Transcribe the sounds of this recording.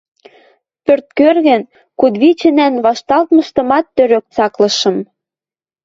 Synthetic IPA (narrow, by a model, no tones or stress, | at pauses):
pørt̪̚kørɣɘ̆n | kud̪βit͡ɕɘ̆nænβɑʃt̪ɑlt̪̚mɤ̆ʃt̪ɤ̆mɑt̪ːøɾøk̚t͡sɑklɤ̆ʃɤ̆m